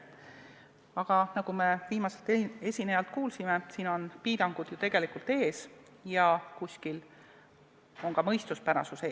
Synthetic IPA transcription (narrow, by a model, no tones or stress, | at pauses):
ɑɡ̥ɑnɑɡume̞viːmɑse̞lt̪ee̞sʲinejɑlt̪̚kuːlsime̞siːno̞npiːd̪ɑŋɡ̥ud̪̥jut̪e̞ɡ̥e̞likult̪e̞ːs | jɑkusʲkil | o̞ŋkɑmɤ̞jst̪uspæɾɑ̰suseː